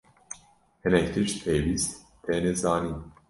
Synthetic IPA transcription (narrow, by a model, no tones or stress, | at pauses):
hɪnɛkt̪ʰɨʃpʰejviːst̪ | t̪ʰɛnɛzaːniː